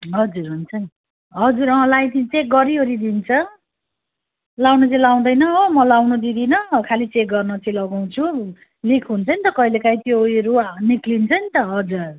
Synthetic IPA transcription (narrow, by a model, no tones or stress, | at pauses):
ɦʌd͡zurɦunt͡sʰʌn | ɦʌd͡zuɾʌ̃lajt̪it͡sek̚ɡʌɾiɦoɾid̪int͡sʰʌ | lawnut͡sĩlaw̃d̪ʌjnʌomʌlawnud̪id̪inʌkʰalit͡sek̚ɡʌrnʌt͡sʌ̃lʌɡaw̃t͡sʰu | likʰɦunt͡sʰʌnit̪ʌkʌilekaj̃t̪jojʌɾuniklint͡sʰʌnit̪ʌɦʌd͡zur